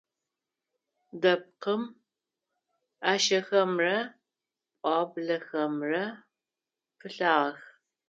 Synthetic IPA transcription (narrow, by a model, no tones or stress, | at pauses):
dɐp̚qəm | aːʃɐxɐmrɐ | pʼɑːbɮɐxɐmrɐ | pʰɨɬaːʁɐx